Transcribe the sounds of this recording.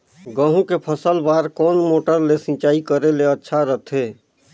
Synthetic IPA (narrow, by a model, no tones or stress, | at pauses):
ɡə̃ɦũkepʰəsəlbaːɾkɔːnmoːʈəɾlesɪ̃t͡ʃaːikəɾeleətːʃʰaɾət̪ʰɦeː